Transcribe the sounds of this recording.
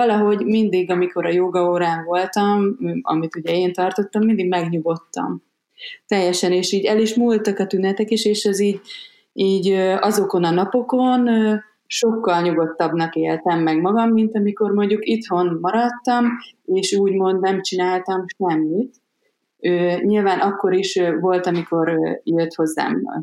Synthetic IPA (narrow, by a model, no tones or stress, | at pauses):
ɒlɒɦo̞ɟmind̪iɡɒmiko̞ɾɒjoːɡɒoːɾaːɱvo̞lt̪ɒmɒ̰mit̪uɟɛeːnt̪ɒrt̪o̞t̪ːɒmːind̪iɡmɛɡɲuɡo̞t̪ːɒ̰m | t̪ɛjːɛʃɛneːʃiːɟɛliʃmuːlt̪ɒkɒt̪ynɛt̪ɛkiʃeːʃɛziːɟ | iːɟøɒzo̞ko̞nɒnɒpo̞ko̞nø | ʃo̞kːɒlɲuɡo̞t̪ːɒbnɒkeːlt̪ɛmːɛɡmɒɡɒmːint̪ɒmiko̞rmo̞ɲɟukit̪ho̞nmɒɾɒt̪ːɒmeːʃuːɟmo̞nd̪nɛmt͡ʃinaːlt̪ɒmʃɛmːit̪ | øːɲilvaːnʔɒkːo̞ɾiʃvo̞lt̪ɒmiko̞ɾjøt̪ho̞zːa̰ːmbɒ̰l